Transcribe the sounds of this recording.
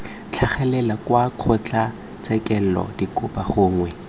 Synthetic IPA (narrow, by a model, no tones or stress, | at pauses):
t͡ɬʰaχɛlɛlakwaq͡χʰʊt͡ɬʼa | t͡sɛkʼɛl̩lɔ̰dikʼʊpaχʊːŋwɛ